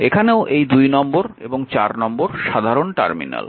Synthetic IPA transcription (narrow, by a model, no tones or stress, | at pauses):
ekʰaneoʔejd̪ujnɔmboɾḛboŋt͡ɕaɾnɔmboɾʃad̪ʱaɾonʈa̰ɾmḭna̰l